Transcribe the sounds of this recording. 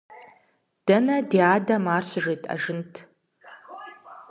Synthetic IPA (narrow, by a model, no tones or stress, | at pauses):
d̥ɐnɐdeːaːdɐmaːrɕʐeːtʼɐ̰ʒɨntʰ